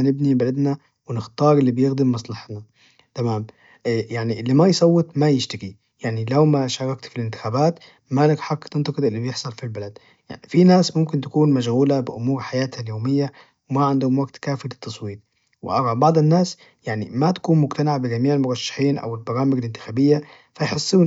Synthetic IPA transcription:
nɪbnibalad̪na | wɪnɪxt̪ɑːɾˤʔɪlːibɪjɪɣd̪ɪmːɑsˤlɑħt̪na | t̪amaːm | jaʕniʔlːimajsˤɑwːɨt̪ˤmajɪʃt̪aɡi | jaʕnilawmaʃɑːɾˤɑkt̪filɪnt̪ɪ̥xaːbaːt̪ | malakħakːt̪ɪnt̪ɑqɨd̪ˤʔɪlːibjɪħsˤɑlfilbalad̪ | jaʕfinaːsmʊmkɪnt̪ḁkuːnmaʃɣuːlabɪʔʊmuːɾħajaːt̪haljoːmɪjːa | wɪmaʕand̪hʊmwaɡt̪kaːfilɪt̪ːɑsˤwiːt̪̚ | wɪ̰ʔɑɾˤɑbɑʕd̪ˤɪnːaːs | jaʕnimat̪ḁkuːnmʊɡt̪anaʕbɪɡamiːʕɪlmʊɾˤɑʃːḁħiːnʔa̰wɪlbɑɾɑːmɪɡɪlɪnt̪ɪ̥xaːbɪjːa | fajħɪsːuːn

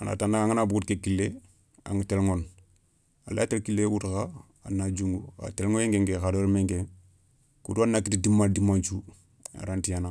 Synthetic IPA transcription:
ana̰tanːaŋaŋanabɡutkekilːe | a̰ŋatelŋon | a̰la̰telkilewutxa | a̰nad͡ʒuŋɡua̰telŋojeŋɡeŋɡexadoɾmeŋɡe | kṵduanːakitidimːadimant͡ʃu | a̰ɾantijana

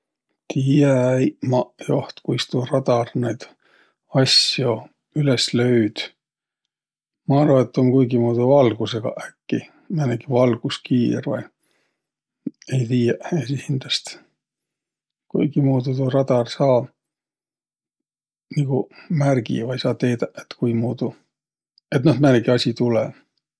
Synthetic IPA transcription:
t̪ʰijeæjmɑʔjo̞ht̪kujst̪urɑd̪̥ɑrnejd̪̥ | ɑsjo̞ | yleslø̞yd̪̥ | mɑɑrvɑet̪ːonkujɡimuːd̪uvɑlɡ̥useɡ̥ɑ̰ʔækːi | næneɡivɑlɡ̥uskiːrvɑ̰j | e̞jt̪iːjɑʔesihind̪̥lɑst̪ | kujɡ̥imuːd̪ut̪urɑd̪̥ɑrsɑː | niɡ̥umærɡḭvɑjsɑːt̪e̞ːd̪ɑʔet̪kujmuːd̪u | e̞t̪nɑh̪mæneɡiɑsʲit̪ulɛ

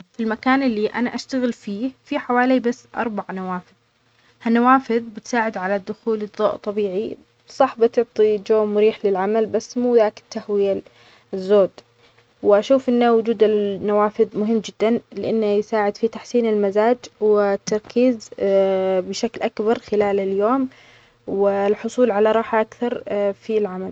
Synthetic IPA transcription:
filmakaːnʔɪlːiʔa̰naʔaʃt̪aɣɪlfiːfiħawaːlibasːʔɑ̰ɾˤbaʕnawaːfɪð | hanːawaːfɪðbɪt̪saːʕɪd̪ʕalad̪ːʊxuːlɨd̪ˤːo̰ːʔt̪ˤːɑbiːʕi | sˤɑħbɪt̪ʊʕt̪ˤid͡ʒoːmʊɾiːħlɪlʕamalbasːmuːðaːkɪ̥t̪ːahwɪja | zːoːd̪ | wɪʔaʃuːfʔɪnːawʊd͡ʒuːd̪ɪnːawaːfɪðmʊɦɪmːd͡ʒɪd̪ːanlɪʔanːajɪsaːʕɪd̪fit̪aħsiːnɪlmazaːd͡ʒwɪt̪ːɑɾˤkiːz | bɪʃaklʔakbɑɾˤxɪlaːlɪljoːm | wɪlħʊsˤuːlʕalaɾˤɑːħaʔakθɑɾˤfilʕamal

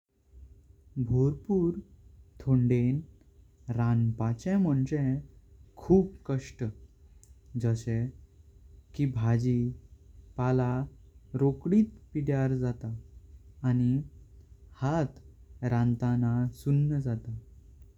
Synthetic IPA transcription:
bʱoɾpuːɾt̪ʰoɳɖen | ɾanpat͡ɕɛ̃mɔɳt͡ɕɛ̃ | kʰuːp̚kəʂʈə | d͡zəɕɛ̃ | kibʱad͡ʑi | palaɾokɽiːt̪piɽjaɾd͡zat̪aː | ni | hat̪ɾãnt̪anasunːəd͡zat̪a

